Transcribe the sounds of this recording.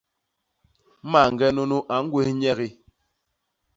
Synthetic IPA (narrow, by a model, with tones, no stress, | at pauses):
ma˦˨ŋ˨ɡɛ˦no˦nu˦ʔa˨˦ŋ˦ɡwe˦hɲɛ˦ɣi˦